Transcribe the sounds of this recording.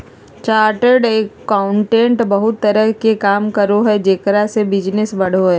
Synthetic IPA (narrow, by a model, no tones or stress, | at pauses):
t͡ʃaːɾʈəɾɖeːkːaʊ̃ɳʈẽːɳʈbɐɦʊt̪ːɐɾəɦkekaːmkɐɾoɦɛd͡ʒeːkɾasebɪd͡ʒnɪsbɐɽ̤oɦɛː